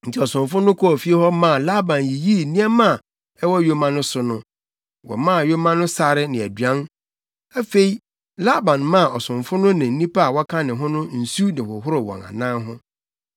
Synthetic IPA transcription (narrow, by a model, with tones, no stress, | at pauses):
n̩˨tʰɪ˦ɔ˨sʊ̃˨ɱfʊ˦nʊ̃˦kʰɔ˦ɔ˨fi˦e˦hɔ˦mã˦˨la˦bã˨nji˨ji˦˨nĩ˦ɛ˦mã˦˨ | ɛ˦wɔ˦jo˦mã˦nʊ̃˦sʊ˦nʊ̃˦ | wɔ̰˨mã˦˨jo˦mã˦nʊ̃˦sa˦ɾɪ˦nɪ̃˨æ˨dɥã˦n | æ˦fe˦i˦ | la˦bã˨nmã˦˨ʔɔ˨sʊ̃˨ɱfʊ˦nʊ̃˦nɪ̃˨n̩˦nĩ˦pʰa˦a˨wɔ˦kʰã˦nɪ̃˨ɦʊ̃˦nʊ̃˦n̩˨su˦nɪ̃˨hʊ˨ɦʊ˦ɾʊ˨wɔ̰̃˨nã̰˨nã˦ɦʊ̃˦